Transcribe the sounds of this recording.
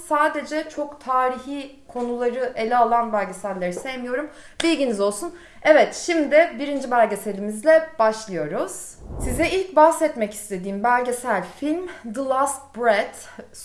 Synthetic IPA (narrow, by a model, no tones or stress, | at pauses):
saːd̪e̞d͡ʒɛt͡ʃʰo̞kt̪ʰaːɾiçiː | kʰo̞nulˠaɾɯʔe̞lʲɛalˠanbælʲɟe̞sæɾlʲeɾisejmijo̞ɾum | bilʲɟinizo̞lˠsun | ɛvɛt̪ʃimd̪ɪbiɾind͡ʒibælʲɟe̞se̞lʲimizlʲɛb̥aʃlˠɯjo̞ɾuz̥ | sizɛilʲcbahsɛt̪mɛci̥st̪ʰe̞d̪iːmbælʲɟe̞sæɾʲfilʲmd̪ɯlˠast̪̚bɾɛd̪̥